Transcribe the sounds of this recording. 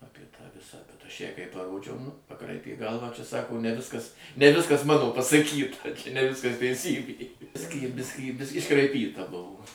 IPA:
ˈɑːpʲiɛ tɑː ˈʋʲɪsɑː bʲɛt ˈɐʃ ˈjɛɪ kɐɪ pɐˈroːd͡ʒʲɛʊ pɐˈkrɐɪpʲeː ˈɡɐlˠʋɑː t͡ʃʲɛ ˈsɑːkoː nʲɛ ˈʋʲɪskɐs nʲɛ ˈʋʲɪskɐs mɐnoː pɐsɐˈkʲiːtɐ t͡ʃʲɛ nʲɛ ˈʋʲɪskɐs tʲɛɪˈsʲiːbʲeː ˈbʲɪsʲkʲiː ˈbʲɪsʲkʲiː bʲɪsʲkʲ ɪʃkrɐɪˈpʲiːtɐ ˈbʊʋoː

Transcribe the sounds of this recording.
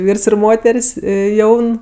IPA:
ˈʋʲiːrs ɪr ˈmoːtʲɛrʲsʲ ˈjɛʊn

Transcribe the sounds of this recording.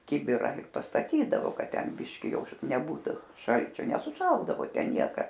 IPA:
ˈkʲɪbʲɪrɐ ɪr pɐstɐˈtʲiːdɐʋoː ˈkɐt ˈtʲɛn ˈbʲɪʃʲkʲɪ ˈjɛʊ nʲɛˈbuːtʊ ˈʃɐlʲt͡ʃʲoː nʲɛsʊˈʃɐlˠdɐʋoː ˈtʲɛn ˈnʲiɛkɐ

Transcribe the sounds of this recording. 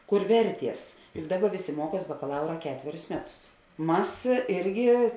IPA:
ˈkʊr ˈʋʲɛrʲˌtʲiɛs jʊk ˈdɑːˌbɐ ˈʋʲeːˌsʲeː ˈmuɔˌkuɔs bɐkɐˈlˠɐʊrɐ ˈkʲæːtʲʋʲɛrʲʊs ˈmʲæːˌtʊs ˈmɐs ˈɪrʲɡʲɪ

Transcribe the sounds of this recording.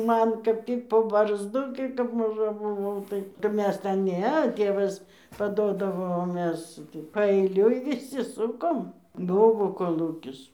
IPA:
ˈmɐn kɐp ˈtʲiːk poː bɐrzˈdʊ ɡʲɪ kɐp mɐˈʒɐ bʊˈʋɐʊ ˈtɐɪ ˈmʲɛs tʲɛn ˈnʲɛ ˈtʲeːʋɐs pɐˈdoːdɐʋoː oː ˈmʲɛs ɡʲɪ pɐɛɪˈlʲʊɪ ʋʲɪˈsʲɪ ˈsʊkoːm ˈbʊʋoː koːˈlˠuːkʲɪs

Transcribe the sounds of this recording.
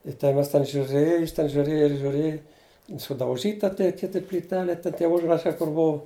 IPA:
ɪ tʲɛn ˈmʲɛs tʲɛn ʒʲʊˈrʲeːj jɪs tʲɛn ʒʲʊˈrʲeːjɛ ʒʲʊˈrʲeːj sʊdɐʊˈʒʲiːtɐ tʲɛɪ ˈkʲɪtʲɪ pʲlʲiːˈtʲæːlʲeː ˈtʲɛn tʲiɛ ˈʊʒrɐʃɐɪ kʊr ˈbʊʊ

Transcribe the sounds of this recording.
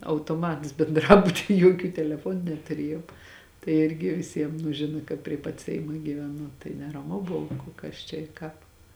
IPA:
ɐʊtoːˈmɐts bʲɛnˈdrɑːbʊtʲiː ˈjuɔkʲuː tʲɛlʲɛˈfuɔnʊ nʲɛtʊˈrʲiɛjoːm tɐɪ ˈɪrʲɡʲɪ ʋʲɪˈsʲiɛm nʊ ˈʒʲɪnɐ kɐt pʲrʲiɛ pɐt ˈsʲɛɪmɐ ɡʲiːʋʲɛˈnʊ tɐɪ nʲɛrɐˈmʊ ˈbʊʋʊ kʊ ˈkɐs t͡ʃʲɛ ɪ ˈkɑːp

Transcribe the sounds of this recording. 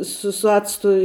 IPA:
ˈsʊ sʊ ˈɑːt͡stʊ

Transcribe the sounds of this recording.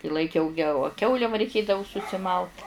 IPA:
ɪ lˠɐɪˈkʲɛʊ ɡʲɛoː ɐ ˈkʲɛʊlʲɛ ʋɐ rʲɛɪˈkʲeːdɐʋʊ sʊsʲɪˈmɐlˠt

